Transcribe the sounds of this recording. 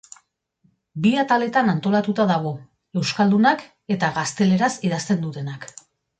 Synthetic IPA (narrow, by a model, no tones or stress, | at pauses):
biat̪ale̞t̪anant̪o̞lat̪ut̪aðaɣ̞o̞ | e̞wskald̪unak | e̞t̪aɣast̪e̞le̞ɾasiðast̪e̞nd̪ut̪e̞nak